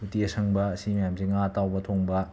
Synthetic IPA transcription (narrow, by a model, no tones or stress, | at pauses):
utiɐsɐŋbɐːsimɐjamsiŋatawbɐtʰoŋbɐ